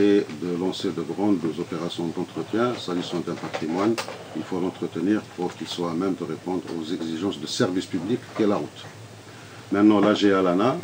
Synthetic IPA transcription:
ed̪əlɑ̃sed̪əɡʁɑ̃d̪zɔpeʁasjɔ̃d̪ɑ̃t̪χət̪jɛ̃saʒisɑ̃d̪ɛ̃pat̪χimwan | ilfolɑ̃t̪χət̪əniʁpuʁkilswamɛmd̪əʁepɔ̃d̪ʁo̰zɛɡziʒɑ̃sd̪əsɛʁvispyblikːɛlaʁut̪ | mɛ̃t̪nɑ̃laʒealana

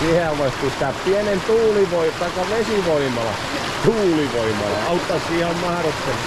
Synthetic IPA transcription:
siheæʋoispist̪æppiænent̪uːliʋoit̪ɑikːɑʋesiʋoimɑlɑ̰ | t̪uːliʋoimɑ̰lːɑ̰ɑɑut̪ːɑssiːhemmɑhrot̪ːel

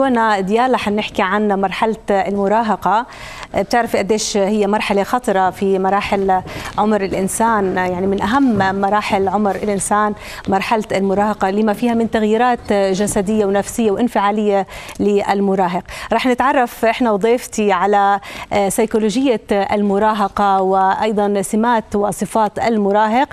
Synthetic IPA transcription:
loːnad̪jaːlɑħanːɪħkiʕanmɑɾˤħalt̪almʊɾˤɑːɦɑqɑ | b̚t̪ɪʕɾafiʔad̪ːeːʃhɪjːamɑɾˤħalexɑt̪ˤɾˤɑfimɑɾˤɑːħɪlʕʊmɾɪlʔɪnsaːnjaʕnimɪnʔaɦamːmɑɾˤɑːħɪlʕʊmɾɪlʔɪnsaːn | mɑɾˤħalt̪almʊɾˤɑːhɑqɑlɪmafiːhamɪnt̪aɣjiːɾaːt̪ʒasad̪ɪjːawnafsɪjːawʔɪnfɪʕaːlɪjːalɪʔa̰lmʊɾˤɑːɦɪqɾˤɑːħnɪt̪ʕɑrˤːɑfʔɪħnawd̪ˤeːft̪iʕalasɑjkoloːʒɪjːaʔa̰lmʊɾˤɑːɦɑqɑwɪʔɑjd̪ˤɑnsɪmaːt̪wɪsˤɨfɑːt̪ʔalmʊɾɑːɦɪq

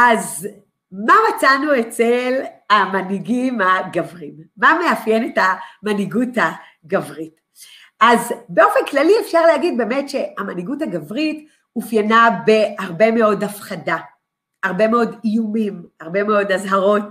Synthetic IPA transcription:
ʔaz | mamat͡sanuet͡selamaniɡimaɡavʁimːameafje̞ne̞tamaniɡuta | ɡavʁit | ʔazbe̞o̞fenklaliefʃaʁlehaɡid̚be̞metʃe̞amaniɡuthaɡavʁit | mufjanabe̞haʁbe̞me̞o̞dafχada | aʁbe̞meo̞dijumimaʁbe̞meo̞dazɦaʁo̞t̚

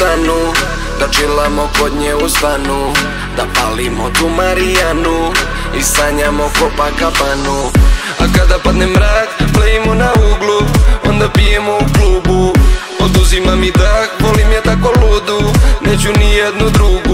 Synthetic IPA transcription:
anu | d̪̥at͡ʃilamokod̪ɲeust̪anu | d̪apalimot̪umaɾijanu | ist̪aɲamokopakapanu | a̰kad̪apad̪nemːɾaːkpleimonauɡluo̰nd̪apijemo̞ukluːbu | od̪uzimamit̪akʋolimjet̪akolud̪unet͡ɕunijed̪nud̪ɾuɡu

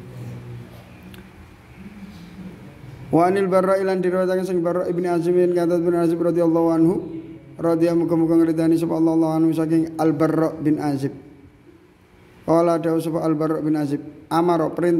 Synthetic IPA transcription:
waʔnilbarːɔilandiɾwat̪akansɪŋbərɔʔibniazɪmnkat̪̬at̪̚bɪnazɪp̚rɔd̪ialˤːɔɦuanɦu | rɔd̪iamuɡɔmuɡɔŋəɾit̪̬anisɔpalˤːɑlˤːɔɦuanɦus̬ak̬ɪŋalbərːɔʔbɪnʔazɪb̚ | kɔladausɔfaalbarːɔʔbɪnazɪp̚amaɾɔpəɾint̪

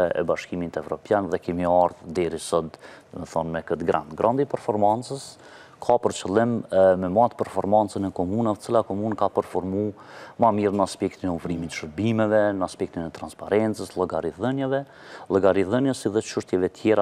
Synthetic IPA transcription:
ɛɛ̰baʃkimit̪ɛvɾɔpjanðɛkɛmiaɾðd̪ɛɾisɔd̪mɛθɔnmɛkət̪ɡɾa̰nd̪ɡɾand̪ipɛɾfɔɾmant͡səs | kʰapəɾt͡ʃəlˠɪmːɛmat̪pɛɾfɔɾmant͡sənɛkɔmunavət͡silakɔmunkapəɾfɔɾmumamiɾnaspɛkt̪inɛɔfɾimit̪ʃəɾbimɛvɛnəaspɛk̚t̪inɛt̪ɾanspaɾɛnt͡səslˠəɡaɾiðənjavɛ | lˠəɡaɾiðənjəsiðɛt͡ʃuʃt̪jɛvɛt̪ʰjɛɾa

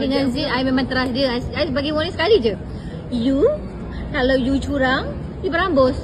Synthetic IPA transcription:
dəŋãnziajmemãŋt̪əɾasdiəasajsəbaɡiwɔnĩsə̥kalid͡ʒə | ju | kalawjut͡ʃuɾaŋ | dipəɾaŋbɔs

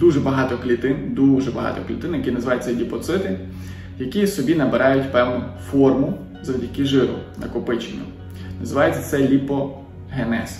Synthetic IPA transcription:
d̪uʒɛbɐɦɑt̪ɔklʲit̪ɪnd̪uʒɛbɐɦɑ̰t̪ɔ̰klʲit̪ɪnjɐkʲinɐzɪʋɑjet͡sʲːɐlʲipɔt̪sɪt̪ɪ | jɐkʲisɔbʲinɐbeɾɑjʊtʲpɛwnʊfɔrmʊ | zɐwdʲɐkɪʒɪɾʊ̰nɐkʊpɪt͡ʃenʲːʊ̰ | nɐzɪʋɑjet͡sʲːɐt̪sɛlʲipɔ | ɦenɛ̰s

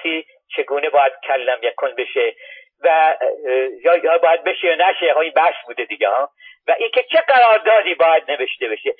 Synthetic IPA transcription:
iː | t͡ʃʰe̞ɡuːne̞bɒːjæd̪̥cʰælːæmjækʰonbe̞ʃe | væ | jɒːjhɒbɒːjæd̪̚be̞ʃejɒːnæʃeɦoiːnbæsbuːd̪ed̪iːɡehɒː | væʔiːcʰʲe̞t͡ʃʰe̞ɡæɾɒːɾd̪ɒːd̪iːbɒːjæd̪̚ne̞ve̞ʃt̪e̞beʃe

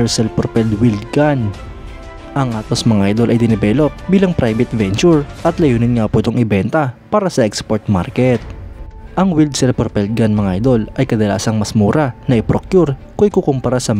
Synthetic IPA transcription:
ɹsɛlpɾopɛld̪wild̪ɡan | ʔɐŋʔaːt̪osmɐŋʔajd̪o̞lʔɐjd̪ɪnɛbɛlo̞p̚biːlɐŋpɾajbɛt̪vɛnt͡ʃuɹʔɐt̪lɐjuːnɪnŋapoʔɪt̪oŋʔɪbɛnt̪ɐpaːɾɐsɐʔɛkspoɹt̪̚maɾkɛt̪̚ʔɐŋwild̪̚sɛlpɾopɛld̪̚ɡanmɐŋajd̪o̞lʔɐjkɐd̪ɐla̰ːsɐŋmɐsmuːɾɐnɐʔɪpɾokjuɾkoʔjkukompɐɾasɐ

